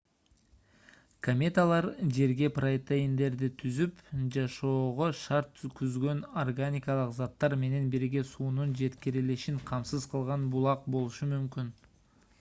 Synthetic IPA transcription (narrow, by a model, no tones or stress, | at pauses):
kʰomʲet̪alˠɑɾd͡ʒe̞ɾɡʲe̞proet̪ejind̪e̞ɾd̪ɪt̪ʰyzypd͡ʒɑʃo̞ːʁoʃɑɾt̪ːykyzɡø̞norɡanʲikɑlˠəqzɑt̪ːɑɾme̞ne̞nbiɾɡʲe̞suːnund͡ʒe̞t̪kʲiɾileʃinqʰɑmsɨzqʰəlˠʁɑnbulˠɑq̚bo̞lˠuʃumymkʲyn